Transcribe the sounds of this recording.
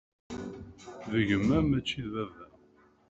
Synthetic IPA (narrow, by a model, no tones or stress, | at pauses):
ðəʝəmːæmæt͡ʃːiðvævæ